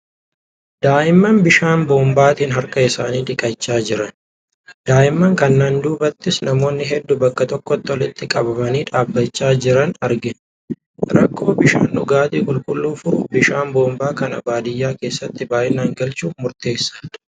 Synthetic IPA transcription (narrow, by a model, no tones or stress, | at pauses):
d̪̥aːʔɪmːɐnbɪʃaːnbo̞ːmbaːt̪iːnɦɐɾkɐɪsaːniːᶑɪkʼɐt͡ʃːaːd͡ʒɪɾɐn | d̪̥aːʔɪmːɐŋkɐnːaːnd̪uːbɐt̪ːɪsnɐmo̞ːnːɪɦɛd̪ːʊbɐkːɐt̪ɔkːɔt̪ːɔlɪt̪ːɪkʼɐbɐmɐniːᶑaːbːɐt͡ʃːaːd͡ʒɪɾɐnɐɾɡɪn | ɾɐkʰːo̞ːbɪʃa̰ːnʔʊ̰ɡaːt̪iːkʼʊlkʼʊlːuːfʊɾʊbɪʃaːmbo̞ːmbaːkɐnɐ̰baːd̪ɪjːaːke̞ːsːɐt̪ːɪbaːʔɪnaːŋɡɐlt͡ʃuːmʊɾt̪e̞ːsːḁ